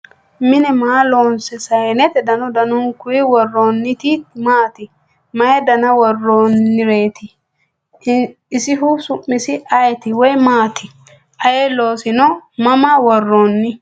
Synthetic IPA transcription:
mɪnɛmaːloːnsɛsɐjnɛt̪ɛd̪ɐnɔd̪ɐnʊŋkʊɪwɔrːoːnːɪt̪imaːt̪ɪ | mɐjɛd̪ɐnɐwɔrːoːnːɪɾe̞ːt̪ɪ | sɪɦʊsʊʔːɪsɪɐjɛt̪ɪwɔjmaːt̪ɪ | ʔɐjeloːsɪnɔmɐmawɔrːoːnːɪ

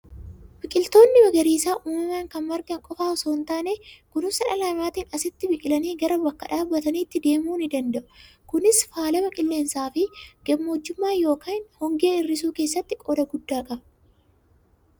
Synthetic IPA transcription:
bɪkʼɪlt̪o̞ːnːɪbɐɡɐɾiːsaːʔuːmɐmaːŋkɐnmɐɾɡɐŋkʼɔfaːɔsoːnt̪aːneːkʊnɪsɐᶑɐlaːmaːt̪iːnɐsɪt̪ːɪbɪkʼɪlɐneːɡɐɾɐbɐkːɐᶑaːbːɐt̪ɐniːt̪ːɪd̪e̞ːmuːnɪd̪ɐnd̪ɐʔʊ̥ | kʊnɪsfaːlɐmɐkʼɪlːe̞ːnsaːfɪɡ̥ɐmːoːd͡ʒːʊmːaːjo̞ːkaːnhɔŋɡeːɪrːɪs̬uːke̞ːsːɐt̪ːɪkʼɔd̪ɐɡʊd̪ːaːkɐɐ

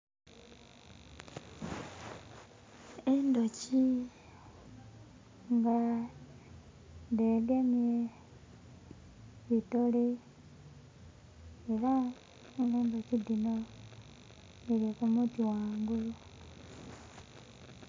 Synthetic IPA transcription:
endoci | ŋɡa | ndelemie | βitole | ela | ŋɡeːndocidino | ilikumutiwaːŋɡulu

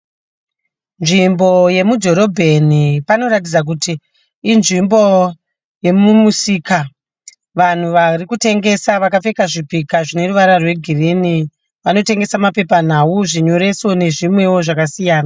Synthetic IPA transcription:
nʐimbo̞je̞mudʱo̞ɾo̞bʱenipano̞ɾatid͡zak̬utiː | nʐimbo̞ | je̞mumusiːka | ʋan̤uʋarikute̞ŋɡe̞saʋakafe̞kaʐipikaʐine̞ɾuʋaɾarwe̞ɡʱirini | ʋano̞te̞ŋɡe̞samape̞pan̤auʐiɲo̞ɾe̞so̞ne̞ʐimwe̞wo̞ʐakasijaːna

